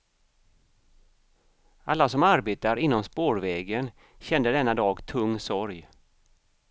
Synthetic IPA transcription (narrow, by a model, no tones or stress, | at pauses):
alːasɔmaɾbeːt̪aɾɪnːɔmspoːɾvɛːɡən | ɕɛnd̪əd̪ɛnːad̪ɑːɡt̪ʰɵŋːsɔɾj